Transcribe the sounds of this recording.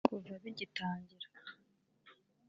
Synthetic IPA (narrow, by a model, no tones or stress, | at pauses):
kuvaβiɟitaːɲɟiɾḁ